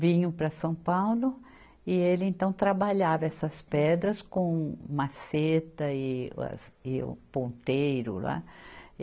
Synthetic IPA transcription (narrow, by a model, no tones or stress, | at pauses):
vĩɲʊpɾɐsɐ̃w̃pawlʊ | ɪelɪẽnt̪ɐ̃w̃t̪ɾabaʎavɐɛsɐspɛd̪ɾɐskõmaset̪ɐɪɐ̰sɪʊ̰põnt̪ejɾʊ̰la̰